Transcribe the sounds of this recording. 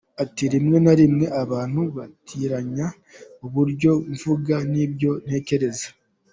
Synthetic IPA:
atiɾimŋe̞naɾimŋe̞ʔaβaːn̥huβatʰiːɾaɲa | uβuɾɟo̞vuɡanibjo̞n̥he̞ːce̞ɾe̞zḁ

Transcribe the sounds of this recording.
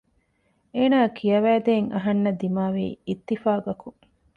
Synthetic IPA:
eːnaːkʰijɐʋæːd̪eːŋɐ̰ɦɐnːɐd̪imaːʋḭːit̪ːifaːɡɐku

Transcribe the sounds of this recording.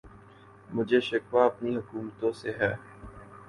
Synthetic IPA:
mʊd͡ʒʱeʃɪkʋaɐpniɦʊkuːmt̪õseɦɛː

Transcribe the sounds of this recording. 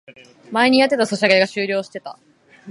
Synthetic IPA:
mae̞ɲ̟ijat̪ːe̞t̪aso̞ɕaɡeɡaɕɨːɾʲo̞ːɕi̥t̪e̞t̪a̰

